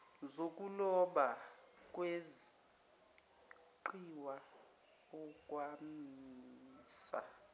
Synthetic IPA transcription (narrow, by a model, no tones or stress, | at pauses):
zok̬ʼulɔɓak̬ʼwezi | ǃiwa | ɔkʼwamiːsa̰